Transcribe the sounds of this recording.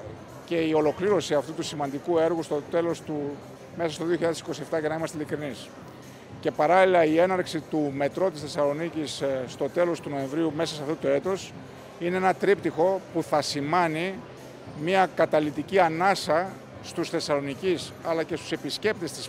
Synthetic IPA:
ce̞io̞lo̞kliɾo̞siɐft̪ut̪usimɐnd̪ikue̞ɾɣust̪ot̪e̞lo̞st̪u | me̞sɐst̪o̞ðioçiʎɐðesiko̞sie̞ft̪ɐʝɐnɐimɐst̪elikɾinis | ce̞pɐɾɐlilɐie̞nɐɾksit̪ume̞t̪ɾo̞t̪isθe̞sɐlo̞nicisːt̪o̞t̪e̞lo̞st̪unoẽ̞ɱvɾiume̞sɐsɐft̪ot̪oe̞t̪o̞s | ine̞enɐt̪ɾip̚t̪ixo̞puθɐsimɐni | miɐkɐt̪ɐlit̪iciɐnɐsɐ | st̪usθe̞sɐlo̞nicisɐlɐce̞st̪u̥se̞pisce̞p̚t̪est̪is

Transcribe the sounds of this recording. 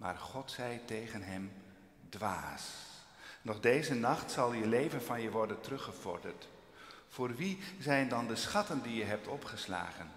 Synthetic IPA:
ma̰ːɹχɔtsɛjtejχənɦɛm | dʋa̰ːs | nɔχdejzənɑχtsɑlˠjəlejvənvɑnjəʋɔɹdəntrɵχəv̥ɔ̰ɹdə̰ɹt | fʊːɹʋizɛjndɑndəsχɑtəndijəɦɛp̚tɔpχəsla̰ːχən

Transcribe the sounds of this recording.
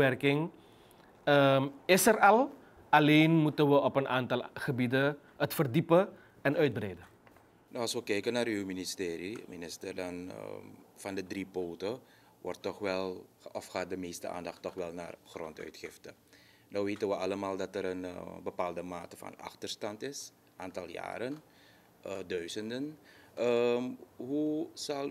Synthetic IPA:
ɛrkɪŋ | əɪsərɑlˠ | ɑleːnmutənʋəɔpənaːntɑlˠχəbidə | ətfərdipə | ɛnœɥt̚brɛjdə | noɑlˠsʋəkɛjkənaːrywministeːɾiminɪstərdɑnəfɑndədripoːtə | ʋɔrtːɔxʋɛlˠɔfxaːt̚dəmeːstə̰a̰ːndɑxtːɔxʋɛlˠna̰ːrxrɔntœ̰ɥtxɪftə | nowʋeːtənʋəʔɑləmaːlˠdɑtəɾənbəpaːlˠdəmaːtə̥fɑ̰nɑ̰xtərstɑntɪs | ʔaːntɑlˠja̰ːɾən | ədœɥzəndənə | ɦusɑl

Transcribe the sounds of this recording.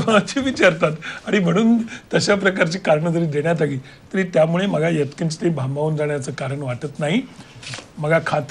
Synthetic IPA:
at̪ʰiʋit͡ɕaɾt̪at̪aɽ̃im̤əɽ̃uːnt̪əɕapɾəkaɾt͡ɕiːkaɾəɳəd͡z̪əɾiːd̪eɽjat̪̬aɡiː | t̪əɾiːt̪jamuɭeməɡʱajət̪kənt͡ɕt̪ebʱambauːnd͡zaɳjat͡səːkaɾəɳʋaʈət̪naɦi | m̤əɡʱakʰat̪

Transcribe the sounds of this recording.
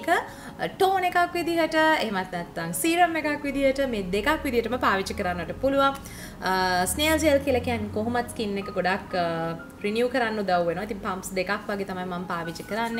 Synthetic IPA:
kə | ʈoːnekakʋid̪iɦəʈəeɦemat̪nɛt̪ːaŋsiːɾəmːekakʋid̪iɦəʈəmeːd̪ekakʋid̪iɦəʈəməpaːʋit͡ʃəkəɾanːəʋəʈəpuluʋa | sneəld͡ʒeəlkiəlakijankoɦumat̪skinːekəɡoɖakː | ɾinjuːkəɾanːud̪awʋenoʋait̪iŋpampsd̪ekakʋaɡet̪amajmampaːʋit͡ʃəkəɾanːe

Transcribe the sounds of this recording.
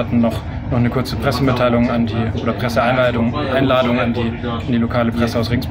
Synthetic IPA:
atn̩nɔχ | nɔχnəkʰʊɐt͡səpʁ̥ɛsəmɪtʰaɪlʊŋandiːʔoːdɐpʁ̥ɛsəaɪnlaɪdʊŋʔaɪnlaːdʊŋandiː | andiːlokʰaːləpʁ̥ɛsəaʊsʁɪŋsb

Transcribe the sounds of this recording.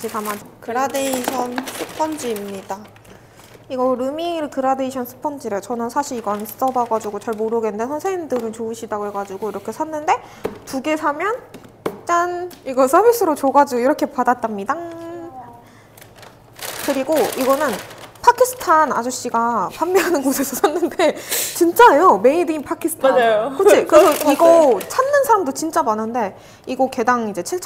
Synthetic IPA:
t͡ɕitamankɯɾadeiɕʰʌnsʰɯpʰʌnd͡ʑiːmɲida | iɡʌɾɯmiɾkɯɾade̞iɕʰʌnsʰɯ̥pʰʌnd͡ʑiɾɯt͡ɕʌnɯnsʰaɕʰiɾiɡʌns͈ʌdaɡad͡ʑuɡot͡ɕaɭmoɾɯɡenndesʰʌnsʰeŋindɯɾɯnt͡ɕouɕʰidaɡoeɡad͡ʑuɡoiɾʌkʰe̞sʰanːɯnde̞ | tuɡe̞sʰamjʌn | t͡ɕ͈aniɡʌsʰʌbis͈ʰɯɾot͡ɕoɡad͡ʑiɡoiɾʌkʰe̞padat͈̚amɲidaŋ | kɯɾiɡoiɡʌnɯnpʰakʰisʰɯ̥tʰana̰d͡ʑoɕ͈iɡapamːʌɦanɯnɡosʰe̞sʰʌsʰanːɯnde̞t͡ɕint͡ɕ͈aejome̞idɯinpʰakʰisʰɯ̥tʰajokot͡ɕʰikɯɾesʰʌiɡʌt͡ɕʰanːɯnsʰaɾamdot͡ɕint͡ɕ͈abʌnɯnde̞ | iɡʌke̞daŋid͡ʑe̞t͡ɕʰiɭt͡ɕʰ

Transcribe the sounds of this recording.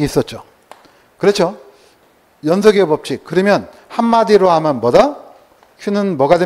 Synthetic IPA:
iːs͈ʌt̚t͡ɕ͈o | kɯɾet͡ɕʰo | jʌnsʰʌɡebʌp̚t͡ɕ͈ikɯɾimjʌn | hamːadiɾoɦamʌnmʌda | çunɯnmʌɡade

